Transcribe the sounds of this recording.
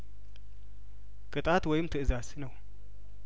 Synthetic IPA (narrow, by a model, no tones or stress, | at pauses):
kʼɨt̪ʼat̪wɔjɪmt̪ʰɨʔɨzasnəw